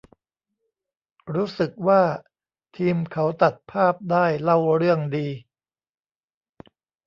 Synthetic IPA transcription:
ɾuː˦˥sɯ˨˩k̚waː˥˩ | t̪ʰiː˧mkʰa˦˥wt̪a˨˩t̪̚pʰaː˥˩p̚daː˥˩jla˥˩wɾɯ˥˩əŋdiː˧

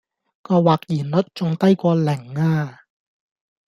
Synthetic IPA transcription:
kɔː˧waː˨˩k̚jiː˨˩nlɵ˨˥t̚t͡sʊ˨ŋt̪ɐ˥jkʷɔː˧lɪ˨˩ŋaː˧

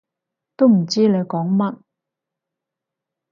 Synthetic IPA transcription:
t̪o˥wm̩˨˩t͡siː˥le˨˧kɔː˨˥ŋmɐ˥t̚

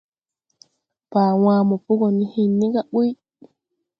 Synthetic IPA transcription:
paː˨waː˦mɔ˨pu˦ɡɔ˨ni˦hinːi˦ɡaɓu˦j

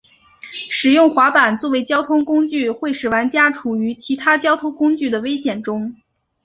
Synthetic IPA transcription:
ʂɻ̩˨˩jʊ˥˩ŋxwa˧˥pa˨˩nt͡swɔ˥˩we˧˥ɪt͡ɕjɑ˥ʊt̪ʰʊ˥ŋkʊ˥ŋt͡ɕy˥˧xwe˥˩ɪʂɻ̩˨˩wa˧˥nt͡ɕja˥ʈ͡ʂʰu˨˩y˧˥t͡ɕʰi˧˥t̪ʰa˥t͡ɕjɑ˥ʊt̪ʰʊ˥ŋkʊ˥ŋt͡ɕy˥˩d̪ə˩we˥ɪɕjɛ˨˩nʈ͡ʂʊ˥ŋ

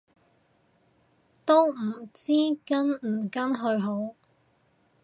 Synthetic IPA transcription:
t̪o˥wm̩˨˩t͡siː˥kɐ˥nm̩˨˩kɐ˥nɦɵ˧ɥɦo˨˥w

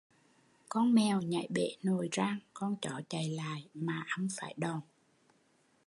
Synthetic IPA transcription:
kɔ˧nmɛ˨˩wɲa̰˧˩˦jɓḛ˧˥no˨˩jzaː˧ŋkɔ˧nt͡ɕɔ˧˦t͡ɕa˨˩jla̰ː˧˨jmaː˨˩ʔə˧˩wŋ͡mfaː˧˩jɗɔ˨˩n

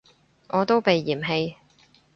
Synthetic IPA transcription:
ŋɔː˨˧t̪o˥wpe˨jːiː˨˩mɦe˧j

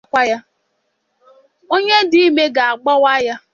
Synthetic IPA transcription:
kʷa˦ja˦ | o˦ɲe˦di˦i˦me˦ɡa˨a˨ɡ͡bɔ˦wa˦ja˦

